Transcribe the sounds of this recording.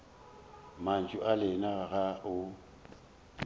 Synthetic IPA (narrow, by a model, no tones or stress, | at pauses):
man̩t͡ʃʼʊʔalɪnaɣaʊ